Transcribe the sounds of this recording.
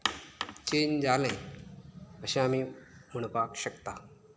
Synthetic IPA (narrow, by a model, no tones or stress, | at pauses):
t͡ɕend͡zalẽj | əɕẽam̤iːm̤uɳ̃pakɕəkt̪a